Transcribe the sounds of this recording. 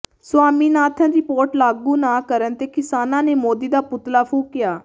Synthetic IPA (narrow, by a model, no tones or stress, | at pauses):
sʊaːmiːnaːt̪ʰãːd̪iːpoːɾʈlaːɡuːnãːkəɾənt̪eːkɪsaːnãːneːmoːd̪iːd̪aːpʊt̪laːpʰuːkɪjaː